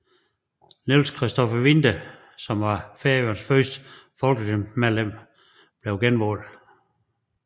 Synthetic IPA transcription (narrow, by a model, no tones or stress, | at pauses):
nelskʰʁɛsd̥ɒfɐʋind̥ɐ | sɒ̽mʋɑ̈feɐjonsfɶsd̥ə̥fɒ̽lɡ̥əd̥emmeðˠlem̰ | b̥le̝ʊɡ̥enʋɔ̰ːl